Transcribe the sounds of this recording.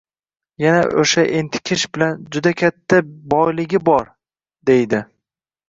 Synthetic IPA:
janaʔoʃaʔent̪ʰɪ̥kʲʰɪʃbɪland͡ʒʊd̪akʲʰat̪ʰːabɒjlɪɡʲɪbɒɾ | d̪ejd̪ɪ

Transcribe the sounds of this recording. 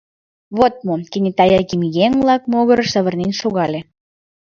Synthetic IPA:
βot̪̚mokinʲet̪ɑjɑkimijeŋβlɑk̚moɣəɾɤʃəβə̆rnenʃoɣɑlʲe

